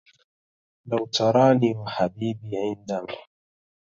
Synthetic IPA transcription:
lawt̪ʰɑɾˤɑːniːwaħabiːbiːʕɪnd̪ama

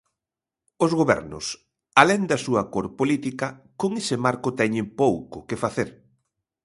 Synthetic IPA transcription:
ozɣoβɛ̰ɾnʊ̰s | alɛnd̪ɐsuɐkoɾpolit̪ikɐkoŋesɪmaɾkʊt̪ɛɲɪmpowkʊkefaθeɾ

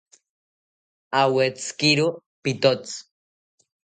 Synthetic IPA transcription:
awet͡skiɾu | pit̪ot͡s

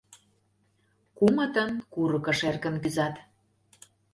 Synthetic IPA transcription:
kumə̆t̪ə̆nkuɾɤ̆kə̆ʃerkə̆nkyzɑt̪

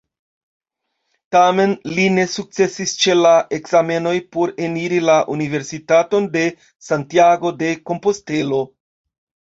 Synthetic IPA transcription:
tame̞nline̞suk̚t͡se̞sist͡ʃe̞laʔe̞kzame̞no̞jpo̞ɾe̞niɾilaʔunive̞ɾsitato̞nde̞ | santiaɡo̞de̞ko̞mpo̞ste̞lo̞

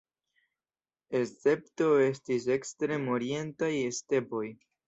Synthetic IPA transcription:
e̞st͡se̞p̚to̞e̞stise̞kstɾe̞moɾie̞ntajeste̞po̞j

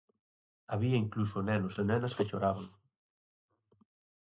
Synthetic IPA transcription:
aβiɐiŋklusonɛnosenɛnɐskeʃoɾaβaŋ

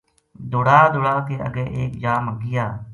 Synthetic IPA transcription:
d̪ʊːɽaːd̪ʊɽaːk̪eːə̰ɡɛːʔeːkd͡ʒaːməɡɪjaː

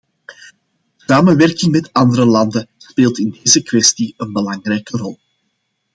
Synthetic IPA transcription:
əsaːmənʋɛrkɪŋmɛtɑndəɾəlɑndəspeːlˠtɪndeːzəkwɛstiənbəlɑŋrɛjkərɔlˠ

